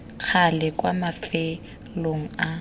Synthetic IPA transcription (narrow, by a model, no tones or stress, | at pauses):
k͡xʰalɛkʼwamafɛ | loŋ̩a